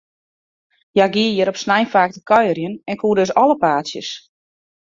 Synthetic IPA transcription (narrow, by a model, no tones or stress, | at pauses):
jaɡiəjəɾɔpsnajnfaːk̚təkʰɔjərjənɛnkʰuːdøs̬ɔləpaːsjəs